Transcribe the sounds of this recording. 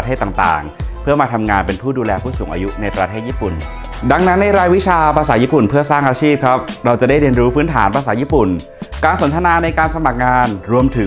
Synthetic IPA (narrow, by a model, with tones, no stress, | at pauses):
t̪ʰeː˥˩t̪ːaː˨˩ŋt̪a̰ː˨˩ŋpʰɯ˥˩ɐmaː˧t̪ʰa˧mŋaː˧npe˧npʰuː˥˩duː˧lɛː˧pʰuː˥˩suː˩˦ŋʔaː˧ju˦˥na˧jpɾa˧t̪ʰeː˥˩t̪̚jiː˥˩pu˨˩n | da˧ŋna˦˥nːa˧jɾaː˧jwi˦˥t͡ɕʰaː˧pɾaː˧saː˩˦˥jiː˥˩pu˨˩npʰɯ˥˩ɐsaː˥˩ŋʔaː˧t͡ɕʰiː˥˩p̚kʰɾa˦˥p̚ɾa˧wt͡ɕa˨˩da˥˩ɾi˧ənɾuː˦˥pʰɯː˦˥nt̪ʰaː˩˦npʰa˧saː˩˦˥jiː˥˩pu˨˩n | kaː˧nso˩˦nt̪ʰa˧naː˧na˧jkaː˧nsa˧ma˨˩k̚ŋaː˧nɾu˧əmt̪ʰɯ˩˦